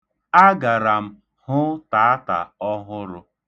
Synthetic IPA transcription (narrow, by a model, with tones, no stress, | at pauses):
a˦ɡa˨ɾa˨m̩˦ | hʊ˦ta˨˦a˦ta̰˨ɔ˦ɦʊ˦ɾʊ˦